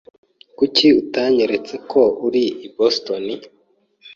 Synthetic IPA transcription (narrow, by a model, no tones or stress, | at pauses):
kuciutaːɲeɾe̞t͡se̞kʰo̞uɾiibostoni